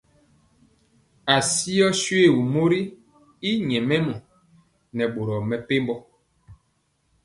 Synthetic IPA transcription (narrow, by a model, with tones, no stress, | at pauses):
a˨si˦ɔ˦sɥe˦˨wu˨mo˦ɾi˦ | i˦ɲɛ˨mɛ˦mu˨ | nɛ˨ɓo˨ɾɔ˨mɛ˨pe˦mbɔ˦